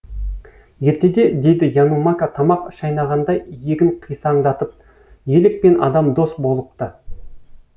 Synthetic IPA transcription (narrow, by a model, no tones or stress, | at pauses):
jeɾt̪e̞d̪e̞d̪e̞jd̪ɪjanumakat̪ʰɑmɑqʃɑjnɑʁɑnd̪ɑje̞ɡʲɪɴqʰijsɑɴd̪ɑt̪əp̚ | je̞lɪk̚pe̞nʔɑ̰d̪ɑmd̪o̞sbo̞lˠəp̚t̪ə